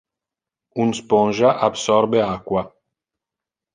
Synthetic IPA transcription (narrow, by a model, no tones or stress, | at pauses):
unspɔnʒaʔabsɔrbeakwa